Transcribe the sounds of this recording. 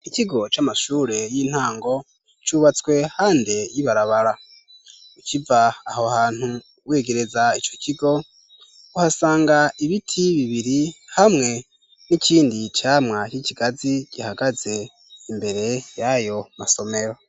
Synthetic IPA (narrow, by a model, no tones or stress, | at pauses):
iciɡo̞t͡ʃamaʃuːɾe̞jiːn̥haːŋɡo̞ | t͡ʃuːβat͡swe̞haːnde̞jiβaɾaβaɾa | ucivaːhohaːn̥hu | we̞ːɡe̞ɾe̞zait͡ʃociɡo̞ | uhasaːŋɡaiβitʰiβiβiɾihamŋe̞ | niciːndit͡ʃaːmŋaciciɡ̥aziɟihaɡaze̞ | imbe̞ɾe̞jajo̞maso̞me̞ɾo̞